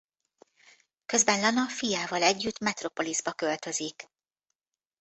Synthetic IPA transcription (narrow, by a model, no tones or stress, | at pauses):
kø̞zbɛnlɒnɒfijaːvɒlɛɟːyt̪mɛt̪ro̞po̞lizbɒkø̞lt̪ø̞zik